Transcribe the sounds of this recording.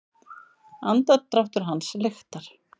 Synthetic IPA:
ant̪at̪ɾaft̪ʏɾ̥ɦanslɪxt̪aɾ̥

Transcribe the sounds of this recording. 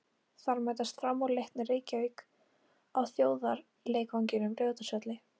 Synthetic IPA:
θaɾmajt̪ast̪fɾamːawlejht̪nɪreːcavik | awθjoːwðaɾ | leːjkawɲcɪnʏmrjœːwt̪asœt̪lɪ

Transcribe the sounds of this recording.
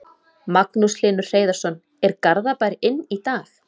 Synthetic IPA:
maknuslɪːnʏɾ̥r̥eːjðaɾsɔn | ɛɾkaɾðapaːjɾɪʔɪnːit̪aːx

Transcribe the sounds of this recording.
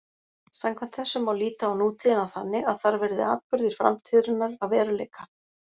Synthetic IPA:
samkʰvɛnt̪θɛsːʏmawliːt̪aːwnuːt̪ʰiðɪnawθanːɪɣaðθaɾvɛɾðɪ̰a̰ːt̪̚pʏɾðɪɾ̥fɾa̰mt̪ʰiːðɾʏnːaɾaðvɛːɾalɛːjkḁ

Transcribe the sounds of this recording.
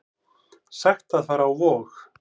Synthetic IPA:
saxt̪aðθfaɾawvɔːx

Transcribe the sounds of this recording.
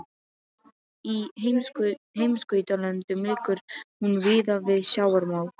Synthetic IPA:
i | ɦejmskœɥt̪alɛnt̪ʏmlɪːkʏɾ̥hunvɪːðavɪðɕjaːwaɾmaːw

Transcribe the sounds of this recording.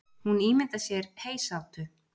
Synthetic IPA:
huniːmɪnt̪asjɛɾ̥pʰeːjsawt̪ʏ

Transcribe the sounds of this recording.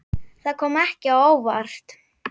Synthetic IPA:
θaðkʰɔːmɛhcɪawoːwva̰r̥st̪

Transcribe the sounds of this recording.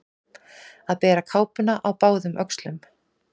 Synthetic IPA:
aðpɛːɾakʰaːwpʏnaʔawpaːwðʏmʔœkslʏm

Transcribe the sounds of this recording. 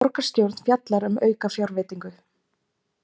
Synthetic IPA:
ɔɾkḁst̪jowɾt̪n̥fjat̪laɾʏmœːɥkafjawɾvɪːt̪iŋkʏ

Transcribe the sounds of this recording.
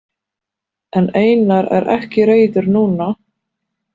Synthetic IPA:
ɛneːjnaɾɛ̰ɾʔɛ̰hcɪɾeːjt̪ʏɾnuːna

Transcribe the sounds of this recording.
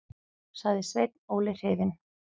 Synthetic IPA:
saɣðɪsvejt̪nowlɪr̥ɪːðɪn

